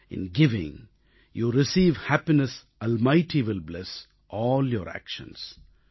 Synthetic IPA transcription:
ɪ̰̃nɡɪʋɪ̰̃ŋ | juːɾɪsiːʋhæpinɛs | əlmaɪʈʰiʋɪlblɛs | ʔɔːljɔːɾæ̰kʃə̰̃ns

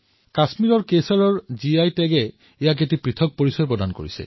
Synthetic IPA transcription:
kasmiɹɔɹkesaɹɔɹziajtɛɡɛ | ijak̬etipɹitʰɔk̚poɹisɔjpɹɔdanko̰ɹḭsɛ̰

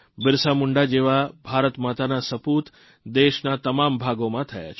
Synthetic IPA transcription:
bɪɾsamʊɳɖad͡ʒeʋabʱaɾət̪mat̪anasəput̪ | d̪eʃnat̪əmambʱaɡomãt̪ʰəja̰t͡ʃʰ

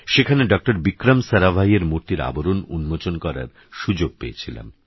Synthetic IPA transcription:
ʃekʰaneɖɔk̚ʈoɾbikɾamsaɾabʱaieɾmuɾt̪iɾa̰boɾonṵnmot͡ɕonkɔɾa̰ɾ | ʃud͡ʑoɡ̚peet͡ɕʰila̰m

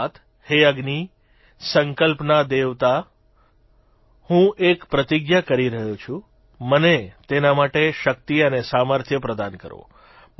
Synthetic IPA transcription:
t̪ʰ | heəɡni | səŋkəlpnad̪eʋt̪a | hũʔekpɾət̪iɡjakəɾiɾəɦut͡ʃʰũ | mənet̪enamaʈeʃək̚t̪iənesaməɾt̪ʰjəpɾəd̪ankəɾo̰ | m

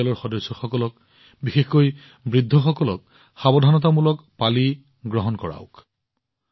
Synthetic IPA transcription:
alɔɹxɔdɔjsːɔxɔkɔlɔk̚ | bixexkoj | bɹidʱːɔxɔkɔlɔk̚ | xabɔdʱanɔt̬amulɔkpali | ɡɹɔɦɔnkɔɹa̰ʊk

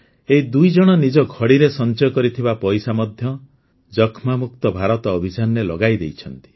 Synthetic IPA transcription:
eɦid̪ujd͡ʒɔɽ̃ɔnid͡ʒɔkʰɔɽiɾesɔnt͡ʃɔjɔkɔɾit̪ʰibapɔjsamɔd̪ʱjɔ | d͡ʒɔkʰmamuk̚t̪ɔbʱaɾɔt̪ɔːbʱit͡ʃanɔɾelɔɡajd̪ḛjt͡ʃʰɔnt̪i̥

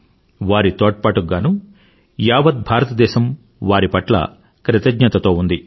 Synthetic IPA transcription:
ʋaːɾit̪ɔːʈ̚paːʈuɡːaːnu | jaːʋɐt̪̚bʱaːɾɐt̪ɐd̪ɛːʃɐm | ʋaːɾipɐʈlɐ̰ | kɾɐt̪ɐɡɲɐt̪ɐt̪o̞ːund̪i

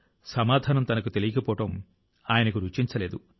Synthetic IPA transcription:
sɐmaːd̪ʱaːnɐmt̪ɐnɐkut̪e̞lijɐkɐpɔːʈɐm | aːjɐnɐkuɾut͡ʃiɲt͡ʃɐleːd̪u

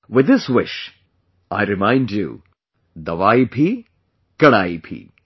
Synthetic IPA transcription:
wɪd̪ɪswɪʃ | aɪɾɪmãɪ̃ndjṵ | d̪ɐʋaːipʰi | kɐɽaːipʰḭː

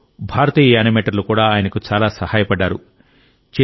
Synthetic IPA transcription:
bʱaːɾɐt̪ijɐaːnɐmeʈɐɾlukuːɽaːaːjɐnɐkut͡ʃaːlaːsɐhaːjɐpɐɖːaːɾṵ | t͡ʃe

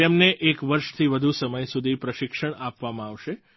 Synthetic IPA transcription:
emneʔekʋəɾʃt̪ʰiʋəd̪ʱusəməjsud̪ʱipɾəʃɪkʃəɽ̃apʋamãaʋʃe

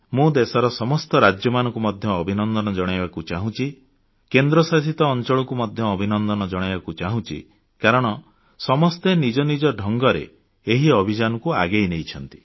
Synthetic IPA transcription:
mũd̪esɔɾɔsɔmɔst̪ɔɾad͡ʒjɔmanɔ̃ŋkumɔd̪ʱjɔːbʱinɔnd̪ɔnɔd͡ʒɔɽ̃abakut͡ʃaɦũt͡ʃʰi | kend̪ɾɔsas̬it̪ɔːnt͡ʃɔɭɔkumɔd̪ʱjɔːbʱinɔnd̪ɔnɔd͡ʒɔɽ̃bakut͡ʃaɦũt͡ʃʰḭ | kaɾɔɽ̃ɔ | sɔmɔst̪enid͡ʒɔnid͡ʒɔɖʱɔŋɡɔɾḛ | eɦiɔbʱid͡ʒanɔkua̰ɡejnejt͡ʃʰɔnt̪i̥

